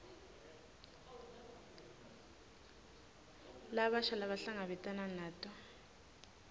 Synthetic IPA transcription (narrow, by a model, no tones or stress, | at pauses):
laβaʃalaβaɬaŋaβɛtʼananaːtʼɔ